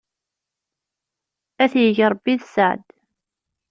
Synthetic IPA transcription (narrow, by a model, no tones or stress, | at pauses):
æθjəʝɾˤbːiðsəʕd̪